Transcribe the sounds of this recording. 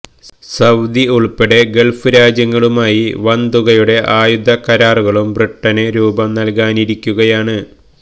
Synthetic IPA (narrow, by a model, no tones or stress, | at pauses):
sɐwd̪iuɭpeɽeɡe̞ɭfɨɾaːd͡ʑjɐŋːɐɭumaːjiʋɐnd̪uɣɐjuɽe̞ʔaːjud̪ʱːɐkɐɾaːruɣɐɭumbrɨʈːɐneɾuːbɐmnɐlkaːniɾikʲːuɣɐjaːɳɨ